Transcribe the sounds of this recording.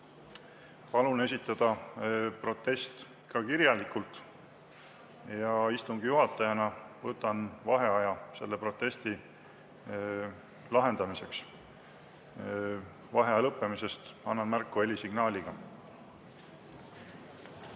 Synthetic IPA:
pɑlune̞sʲit̪ːˑɑd̪̥ɑpro̞t̪ːˑe̞st̪ | kɑkiɾjɑlikult̪ˑ | jɑist̪uŋɡ̥ijuɦɑt̪ːˑɑjɑnɑvɤt̪ːˑɑnvɑɦe̞ɑjɑse̞̰lːe̞pɾro̞t̪ːˑe̞st̪i | lɑɦe̞nd̪̥ɑmise̞ks | vɑɦeɑɑlɤpːe̞mise̞st̪ɑnːɑnmærkːˑue̞lʲisiɡ̥nɑːlʲiɡ̥ɑ

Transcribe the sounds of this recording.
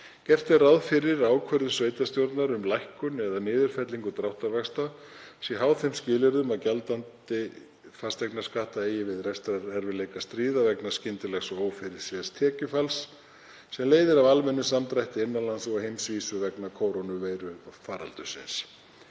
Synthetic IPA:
cɛft̪ɪraðfɪɾɪɾaːwkʰvœɾðʏsveːjt̪ast̪jowɾt̪naɾʏmlajhkʏnɛðanɪːðʏɾ̥fɛt̪liŋkʏt̪ɾawht̪aɾvɛxst̪asɛɦaːwθejmscɪːlɪɾðʏmaðcalt̪ant̪ɪ | fast̪vɛknḁskaːht̪aeːjɪvɪðrɛst̪ɾaɾɛɾvɪlejkast̪ɾiːðavɛknḁscɪnt̪ɪlɛxsɔoːwfɪɾɪɾ̥sɛðst̪ʰɛːcʏfalsː | ɛmleːjðɪɾavalmɛnːʏsamt̪ɾajht̪ɪɪnːalansɔɣhejmsviːsʏvɛknakʰoːwɾonʏveːjɾʏfaːɾa̰lt̪ʏsɪ̰ns

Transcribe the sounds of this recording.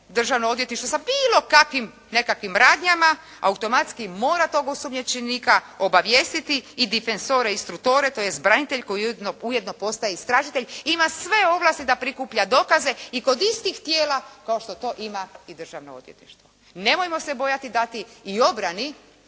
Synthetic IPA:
d̪r̩ʒaʋnoo̞d̪ʋjet̪niʃt̪ʋo̞sabiːlˠo̞kakʋim | ne̞kakʋimɾaːd̪ɲama | a̰ut̪o̞mat̪skimo̞ːɾat̪o̞ɡosomɲet͡ʃenikao̞baʋje̞ːst̪it̪iːd̪ife̞nzo̞ɾe̞ist̪ɾuk̚t̪oːɾet̪ojest̪bɾanit̪eʎko̞jid̪nouje̞d̪no̞po̞st̪ajeist̪ɾaʒit̪eʎʲimasʋe̞o̞ʋlˠast̪id̪apɾikuːpʎad̪o̞kaze̞iko̞d̪ist̪ixt̪jeːlakao̞ʃt̪o̞t̪o̞ːʔimaid̪r̩ʒa̰ʋno̰od̪jet̪nḭʃt̪ʋo | ne̞mojmo̞se̞bo̞jat̪id̪at̪iːo̞bɾani

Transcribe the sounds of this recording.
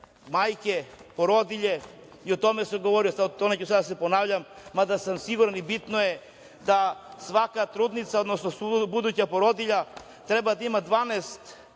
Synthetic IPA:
majkɛpɔɾɔd̪iʎɛ | iot̪ɔmɛsɛɡɔvɔɾisaonacsad̪asɛponavʎamːad̪asamsiɡuɾanibit̪nɔjɛ | d̪asvakat̪ɾud̪nit̪saod̪nɔsnɔsubud̪ucapoɾɔd̪iʎa | t̪ɾɛbad̪aimad̪vanɛst̪

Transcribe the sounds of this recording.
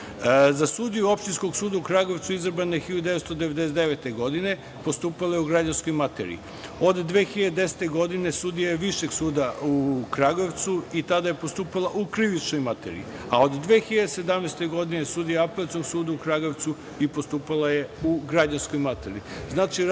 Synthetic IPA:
zasuːd̪ijuo̞pʃt̪inskoɡsuːd̪aukɾaɡo̞ʋt̪suizɾ̩banexiʎaud̪eʋest̪od̪eʋed̪esd̪eʋet̪e̞ɡo̞d̪ine̞ | post̪uːpalajeuɡɾad͡ʑansko̞jmat̪ḛɾḭ | o̞d̪ːʋeːxiʎad̪ed̪ese̥t̪e̞ɡo̞d̪ine̞suːd̪ijajeʋiʃeɡsuːd̪aukɾaɡoʋt̪suit̪ad̪ajepost̪uːpalˠaʔukɾiʋit͡ʃnojmat̪ḛɾḭi | aod̪d̪ʋe̞ːxiʎad̪ese̞d̪amnejst̪e̞ɡo̞d̪ine̞suːd̪ijaapelat̪noɡsuːd̪aukɾaɡo̞ʋt̪su | ipo̞st̪uːpalˠaje̞uɡɾad͡ʑansko̞jmat̪eɾḭznaːt͡ʃi

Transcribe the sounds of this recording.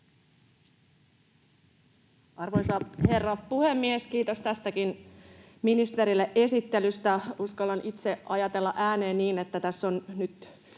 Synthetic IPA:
ɑrʋojsɑhe̞rːɑpuhe̞mːieskiːt̪o̞st̪æst̪ækin | minist̪e̞ɾilːeʔe̞sit̪ːelyst̪æuskɑlɑnit̪se̞ɑjɑt̪e̞lːɑʔæːne̞ːnniːnet̪ːæt̪æsːo̞nnyt̪

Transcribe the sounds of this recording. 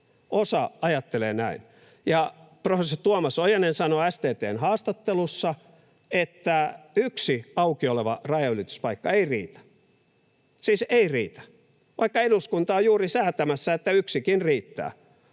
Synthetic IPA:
osɑɑjɑt̪ːeleːnæin | jɑprofesːort̪uomɑsojenensɑnoæst̪eːt̪eːnhɑːst̪ɑt̪ːelusːɑ | et̪ːæyksiɑukioleʋɑrɑjɑylit̪y̥spɑikːɑeirḭːt̪æ̥ | siːseirḭːt̪æ̥ | ʋʔɑikːɑeɾuskunt̪ɑojuːrisæːt̪æmæsːæet̪ːæyksikinriːt̪ːæ̰ː

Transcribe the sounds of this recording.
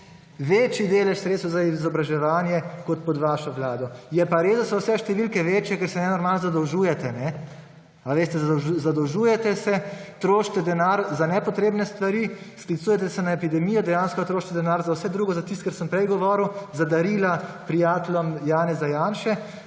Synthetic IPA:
ʋeːt͡ʃjid̪eːlɛʃsɾet̪t̪ɛwzaizɔbɾaʒɛʋaːnjɛkɔt̪̚pɔd̪ʋaːʃɔʋlaːd̪ɔjɛpaɾeːzd̪asɔwsɛʃt̪ɛʋilkɛʋeːt͡ʃjɛkɛɾsɛnɛnɔɾmaːlnɔzad̪ɔwʒuːjɛt̪ɛnɛ | aʋeːst̪ɛzazad̪ɔwʒuːjɛt̪ɛsɛt̪ɾoːʃt̪ɛd̪ɛnaːɾzanɛpɔt̪ɾeːbnɛst̪ʋaɾisklit̪sujɛt̪ɛsɛnaepid̪ɛmiːjɔd̪ɛjanskɔt̪ɾoːʃt̪ɛd̪ɛnaːɾzawsɛd̪ɾuːɡɔzat̪ist̪kɛɾsəmpɾɛjɡɔʋɔːɾəwzad̪aɾiːlapɾijaːt̪lɔmjaːnɛzajaːnʃɛ

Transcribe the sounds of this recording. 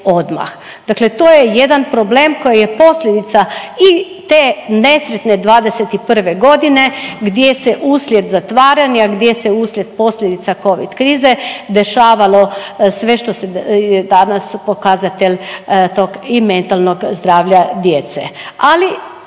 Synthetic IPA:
od̪ma̰x | d̪̥aklet̪oːjɛjed̪anpɾobleːmkojejepo̞slʲed̪it̪sai | t̪enesɾet̪ned̪ʋaːd̪eset̪ipr̩ʋeɡo̞d̪ineɡd̪jesɛʔuːslʲjed̪zat̪ʋaːɾanjaɡd̪jesɛuːslʲjet̪̚po̞slʲed̪it̪sako̞ʋḭd̪kɾiːzed̪eʃaːʋalosʋeʃt̪osɛjɛd̪anaspokazat̪elʲt̪oɡiment̪alnoɡzd̪ɾaːʋlʲad̪jeːt̪sɛ̰ali

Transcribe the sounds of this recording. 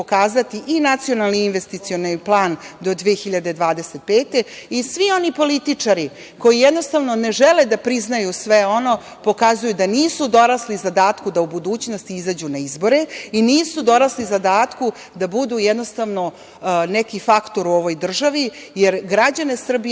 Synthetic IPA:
okaːzat̪iʔinat̪sijo̞nalniːnʋest̪it̪sionplˠaːnd̪o̞d̪ʋiexiʎad̪ed̪ʋaːd̪eset̪̚peːt̪e̞isʋio̞nipo̞lit̪it͡ʂaɾi | ko̞jijed̪no̞st̪aʋno̞neʒeled̪apɾiznajusʋeo̞no̞ | po̞kazujud̪aniːsud̪o̞ɾaslizad̪aːt̪kud̪aubud̪uːt͡ɕno̞st̪iizad͡ʑunaizbo̞ɾe̞iniːsud̪o̞ɾaslizad̪aːt̪ku | d̪abud̪uːjed̪nost̪aʋno̞ | nekifakt̪o̞ɾuo̞ʋo̞jd̪r̩ʒaʋi | jeɾɡɾad͡ʑane̞sr̩bi

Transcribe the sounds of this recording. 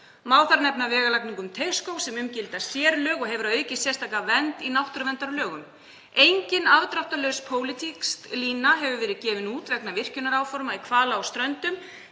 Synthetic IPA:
maːwθaɾnɛpnavɛːɣalakniŋkʏmt̪ʰeɥskowsɛmʏmcɪlt̪asjɛːɾlœːɣɔɦɛvʏɾaðœːɥcɪsjɛr̥st̪ʰaːkavɛnt̪inawht̪ʏɾvɛnt̪aɾlœːɣʏm | ejɲcɪnavt̪ɾawht̪alœɥspʰoːwlɪt̪ʰikst̪liːnaɦɛvʏvɛːɾɪðcɛːvɪnuːt̪vɛknavɪr̥cʏnaɾaːwfɔɾmaðikʰvaːlaːwst̪ɾœnt̪ʏm

